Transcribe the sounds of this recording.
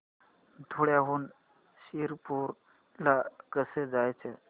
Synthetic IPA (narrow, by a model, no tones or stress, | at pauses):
t̪ʰoɽjaɦuːn | ɕiɾpuɾ | lakəsed͡zajt͡se